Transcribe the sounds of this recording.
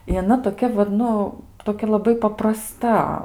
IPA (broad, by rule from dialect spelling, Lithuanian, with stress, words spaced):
ɪ ɐˈnɐ toːˈkʲɛ ʋɐt ˈnʊ toːˈkʲɛ lˠɐˈbɐɪ pɐprɐˈstɐ